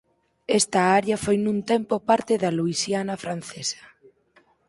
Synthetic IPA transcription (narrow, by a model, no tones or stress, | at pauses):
est̪ɐaɾjafojnũnt̪empopaɾt̪ɪðɐluisjanɐfɾanθesɐ̥